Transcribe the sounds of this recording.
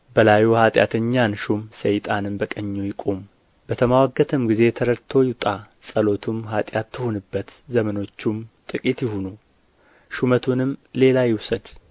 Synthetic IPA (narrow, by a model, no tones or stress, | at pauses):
bəlajuhat̪ʼja̰t̪ʰəɲːanʃumsəjt̪ʼanɨmbəkʼəɲːujɪkʼom | bət̪ʰəmawaɡːət̪ʰɨmɡize̞t̪ʰəɾəɾt̪ʰːo̞jɪt̪ʼasʼəlo̞t̪ʰumɦat̪ʼjat̪ːʰɨhonɨbːət̪zəməno̞t͡ʃːumt̪ʼɨkʼit̪jɪɦunu | ʃumət̪ʰunɨmle̞lajɪwsəd̪